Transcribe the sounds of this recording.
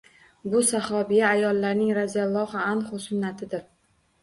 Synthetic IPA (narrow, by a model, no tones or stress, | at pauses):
bʊsahɒbijaːjɒlːaɾnɪŋɾazijalˠːɒhaanχʊsʊnːat̪ʰɪd̪ɪɾ